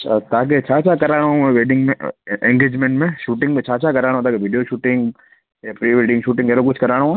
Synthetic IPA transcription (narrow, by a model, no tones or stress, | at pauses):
t̪aːk̬et͡ʃʰaːt͡ʃʰakɐɾaːɽɦũʋeːɖɪ̃ŋɡmẽɛ̃ŋɡeːd͡ʒmẽɳʈmẽʃuːʈɪ̃ŋɡmẽt͡ʃʰaːt͡ʃʰakɐɾaːɽ̃ɦõt̪aːkeʋɪɖijoʃuːʈɪ̃ŋɡ | jaːpɾiːʋeːɖɪ̃ŋɡʃuːʈɪ̃ŋɡɛɾok̬ʊt͡ʃʰkɐɾaːɽũ